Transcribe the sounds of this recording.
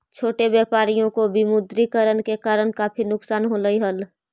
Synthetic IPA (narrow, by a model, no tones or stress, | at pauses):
t͡ʃʰoːʈebjepaːɾijõkobimʊd̪ɾikəɾənkekaːɾənkaːpʰinʊksaːnɦoːləiɦəl